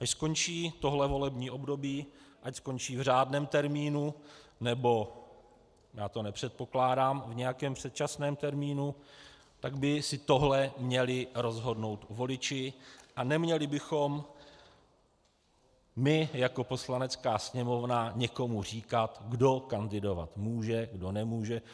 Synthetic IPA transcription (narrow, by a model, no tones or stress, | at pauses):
ʔaʃsko̞nt͡ʃiːt̪o̞ɦlɛvo̞lɛbɲiːʔo̞bdo̞biːʔacsko̞ɲt͡ʃiːvr̝aːdnɛːmt̪ɛɾmiːnunɛbo̞ | jaːt̪o̞nɛpr̝̥ɛt̪̚po̞klaːdaːmvɲɛjakɛːmpr̥ɛt̪̚t͡ʃasnɛːmt̪ɛɾmiːnu | t̪aɡbɪsɪt̪o̞ɦlɛmɲɛlɪɾo̞zɦo̞dno̞wt̪vo̞lɪt͡ʃɪʔanɛmɲɛlɪbɪxo̞m | mɪjako̞po̞slanɛt͡skaːsɲɛmo̞vnaɲɛko̞mur̝iːkat̪ɡdo̞kandɪdo̞va̰t̪muːʒɛɡdo̞nɛmuːʒɛ